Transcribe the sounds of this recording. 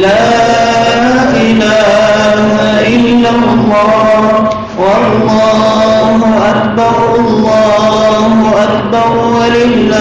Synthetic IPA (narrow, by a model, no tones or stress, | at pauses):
laː | ʔɪlaː | hʊhaʔɪlːa | lˤːɑː | wɑllːɑː | ɦʊʔakbɑɾ | ɑlːɑːhʊʔakbɑɾwalɪ | a